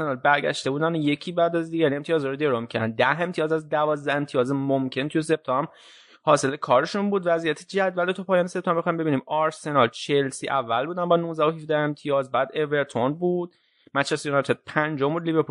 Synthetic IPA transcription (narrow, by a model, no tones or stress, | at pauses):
enɒlbæɾɟæ̰ʃt̪e̞buːd̪ænoje̞cʰiːbæd̪æzd̪iːɡæɾie̞mt̪ʰijɒːzɒːɾod̪eɾomicʰæɾd̪ænd̪æhe̞mt̪ʰiɒːzæzd̪ævɒːzd̪æe̞mt̪ʰijɒːzemomcʰe̞nt̪ʰujese̞p̚t̪ʰɒm | hɒːse̞lekʰɒːɾeʃunbuːd̪væzijæt̪ʰed͡ʒæd̪væld̪ot̪ʰupʰɒːjɒːnesep̚t̪ɒːmbexɑimbeiːniːmɒɾse̞nɒlt͡ʃʰelsḭːʔævːælbuːd̪ænbɒːnuːzdæohifd̪æhe̞mt̪ʰijɒːzbæːd̪eveɾt̪ʰonbuːd̪̥̚ | mæt͡ʃesjunɒjt̪ʰed̪̚pʰænd͡ʒombuːd̪liveɾpʰu